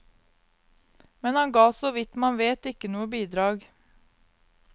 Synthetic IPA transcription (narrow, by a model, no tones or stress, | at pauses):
mɛnhɑŋɡɑːsoːʋɪt̪mɑnʋeːt̪ɪkənuːəbiːd̪ɾɑːɡ